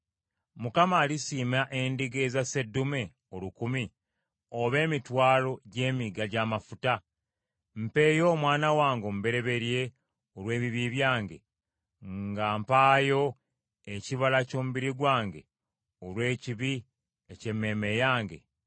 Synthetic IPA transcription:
mukamaːlisiːmaʔe̞ndiɡe̞zase̞dːume̞ | olukumi | oβe̞ːmitwaːlo̞ɟe̞ːmiɡaɟaːmafuta | m̩pe̞jo̞ːmwaːnawaːŋɡo̞mube̞ɾe̞βe̞ɾje̞ | oɾwe̞ːβiβiβjaːŋɡe̞̰ | ŋŋɡaːmpaːjo̞ | eciβalaco̞ːmuβiɾiɡwaːŋɡe̞ | olwe̞ːciβi | ece̞mːe̞me̞jaːŋɡe̞̰

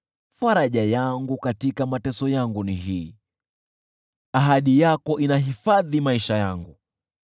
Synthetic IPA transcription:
faɾaʄajaŋɡukatikamatɛsɔjaŋɡuniɦiː | aɦaɗijakɔʔinaɦifaðimaiʃajaŋɡu

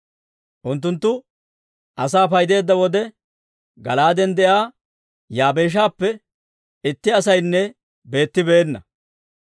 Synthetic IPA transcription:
ʔʊnt̪̬ːʊnt̪ːʊ | ʔɐsaːfɐjd̪e̞ːd̪ːɐwɔd̪ɛ | ɡɐlaːd̪ɛnd̪ɛʔaː | jaːbe̞ːʃ̬aːpːɛ | ɪt̪ːɪɐsɐjnːɛ | be̞ːt̪ːɪbe̞ːnːɐ̰

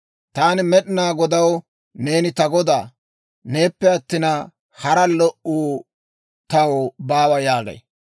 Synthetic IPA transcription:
t̪aːnɪmɛɗɪnaːɡɔd̪ɐw | ne̞ːnɪt̪ɐɡɔd̪aː | ne̞ːpːɛɐt̪ːɪnɐ | hɐɾɐlɔʔuː | t̪ɐwobaːwɐjaːɡɐ̰j

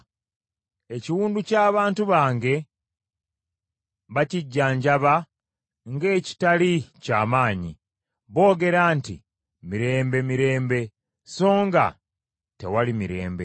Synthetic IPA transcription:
e̞ciwuːnducaːβaːntuβaːŋɡe̞ | βaciɟːaːɲɟaβa | ŋɡe̞ːci̥talica̰ːmaːɲḭ | βo̞ːɡe̞ɾaːnti | miɾe̞ːmbe̞miɾe̞ːmbe̞ | so̞ːŋɡa̰ | te̞̰walimiɾe̞̰ːmbe̞̰

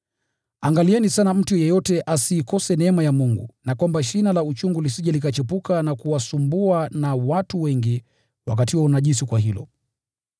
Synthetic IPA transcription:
aŋɡaliɛnisanam̩tujɛjɔtɛʔasiːkɔsɛnɛmajamuŋɡṵnakwambaʃinalaut͡ʃuŋɡulisiʄalikat͡ʃɛpukanakuwasumbuanawatuwɛŋɡi | wa̰k̬atiwɔunaʄisikwaɦilɔ̰

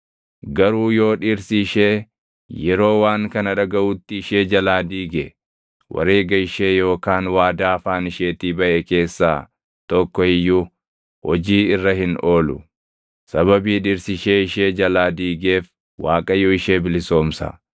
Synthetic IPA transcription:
ɡɐɾuːjo̞ːᶑiːɾsiʃe̞ː | jɛɾo̞ːwaːŋkɐnɐᶑɐɡɐʔut̪ːɪɪʃe̞ːd͡ʒɐlaːd̪iːɡɛ | wʔɐ̰ɾe̞ːɡɐɪʃe̞ːjo̞ːkaːnwaːd̪aːfaːnɪʃe̞ːt̪iːbɐʔeke̞ːsːa̰ː | t̪ɔkːɔɪjːu | hɔd͡ʒiːɪrːɐɦɪno̞ːlʊ̰ | sɐβɐbiːᶑiːɾsɪʃe̞ːɪʃeːd͡ʒɐlaːd̪iːɡe̞ːf | waːkʼɐjɔɪʃe̞ːbɪlɪso̞ːmsɐ̰

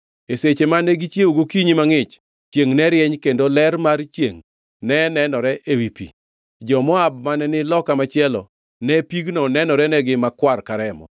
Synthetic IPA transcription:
eset͡ʃemaneɡit͡ʃjeuɡokiɲimaŋɪt͡ʃ | t͡ʃjeŋnɛɾɪjɛɲkendolɛrmart͡ʃjeŋ | nɛnɛnɔɾɛʔewipḭ | d͡ʒɔmɔab̚manɛnɪlɔkamat͡ʃɪɛlɔ̰ | nɛpiɡnɔnɛnɔɾɛnɛɡɪmakwarkaɾɛmɔ̰

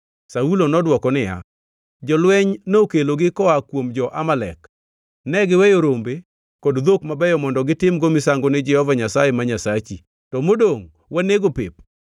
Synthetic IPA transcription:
saulonɔdwɔkɔnɪja̰ | d͡ʒɔlwɛɲnokeloɡɪkɔakwomd͡ʒɔʔamalɛ̰k | nɛɡɪwɛjoɾombe | kodd̪okmabɛjɔmɔndɔɡɪtɪmɡomɪsaŋɡonɪd͡ʒɛhɔvaɲasajemaɲasat͡ʃi | tɔmodoŋ | waneɡopḛp̚

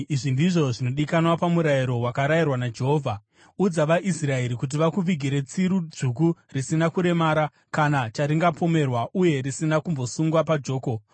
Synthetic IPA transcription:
iʐindiʐo̞ʐino̞ɗikanwapamuɾajiɾo̞wakaɾajirwanad͡ʒe̞ɦoːvʱa | ud͡zaʋaʔisrae̞ɾikut̬iʋakuʋiɡʱiɾe̞t͡siɾud͡zukurisinakuɾe̞maːɾa | kanat͡ʃaɾiŋɡapʰo̞me̞rwaʔuje̞ɾisinakumbo̞suŋɡwapad͡ʒo̞ːko

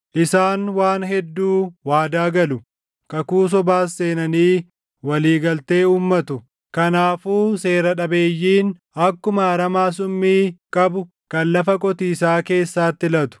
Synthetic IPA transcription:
ʔɪsaːnwaːnhɛd̪ːuːwaːd̪aːɡɐlʊ | kɐkuːs̬ɔbaːsːe̞ːnɐniː | wɐliːɡɐlt̪e̞ːuːmːɐt̪ʊ | kɐnaːfuːse̞ːɾɐᶑɐbe̞ːjːiːn | ɐkːʊmɐɐɾɐmaːs̬ʊmːiːkʼɐbʊ | kɐnlɐfɐkʼɔt̪iːsaːke̞ːsːaːt̪ːɪlɐt̪ʊ̥

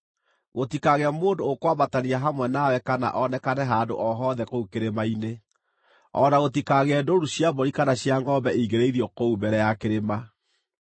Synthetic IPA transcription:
ɣotikaɣeamoːndoːkwaβataniaɦamwɛnawɛkana̰ʔɔnɛkanɛɦando̰ʔɔɦɔðɛkoukeɾemaine | ɔːnaɣotikaɣeɛdoɾuɕjaboɾikanaɕjaŋɡɔbɛʔiɣeɾeiðiɔkoubɛɾɛjakeɾema

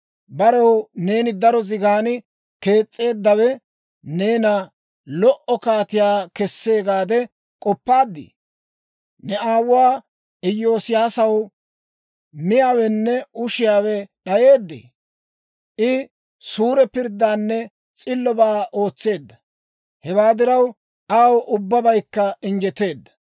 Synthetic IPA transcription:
bɐɾɐwne̞ːnɪd̪ɐɾɔzɪɡaːnɪ | ke̞ːt͡sʼːe̞ːd̪ːɐwɛ | ne̞ːnɐ | lɔʔɔkaːt̪ɪjaːkɛsːe̞ːɡaːd̪ɛ | kʼɔpːaːd̪ːɪ̰ | nɛaːwʊwaː | ʔɪjːo̞ːsɪjaːsɐw | mɪjaːwɛnːɛʊʃɪjaːwɛɗɐje̞ːd̪ːḛː | ʔɪ | suːɾɛpɪɾd̪ːaːnːɛ | t͡sʼɪlːɔbaːʔo̞ːt͡sːe̞ːd̪ːɐ | hɛbaːd̪ɪɾɐw | aːwʔʊbːɐbɐjkːɐɪnd͡ʒɛt̪ːe̞ːd̪ːɐ̥

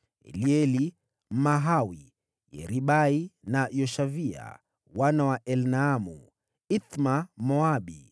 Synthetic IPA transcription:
ɛ̰liɛli | maɦawi | jɛ̰ɾiɓainajɔʃavia̰ | wanawaʔɛlnaːmu | it̪mamɔaɓi

